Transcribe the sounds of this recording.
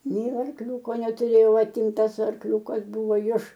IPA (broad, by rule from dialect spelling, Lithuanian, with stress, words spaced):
ˈnʲɛɪ ɐrˈklʲuːkoː nʲɛtʊˈrʲeːjɛʊ ˈɑːtʲɪmtɐs ɐrˈklʲuːkɐs ˈbʊʋoː ɪʃ